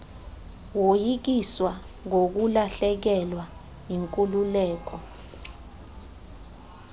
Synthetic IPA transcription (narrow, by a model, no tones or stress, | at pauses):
wojik̬iswa | ŋok̬ulaɬɛk̬ɛlwa | jiŋkʼululɛːk̬ɔ